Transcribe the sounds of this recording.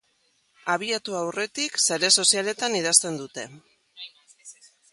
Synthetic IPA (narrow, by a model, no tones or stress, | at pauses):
aβ̞iat̪uawre̞t̪ikseɾeso̞siale̞t̪aniðast̪e̞nd̪ut̪e̞